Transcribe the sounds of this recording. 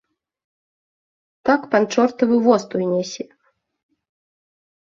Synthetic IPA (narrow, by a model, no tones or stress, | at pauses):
t̪akpant͡ʂɔrt̪ɐvɨvɔst̪ujnʲɛsʲɛ